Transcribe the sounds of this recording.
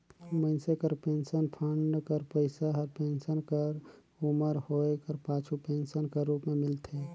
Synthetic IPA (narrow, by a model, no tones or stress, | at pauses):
məɪnsekəɾpeːnsənpʰəɳɖkəɾpəɪsaɦəɾpeːnsənkəɾ | ʊməɾhoːekəɾpaːt͡ʃʰupeːnsənkeɾuːpmẽmɪlt̪ʰe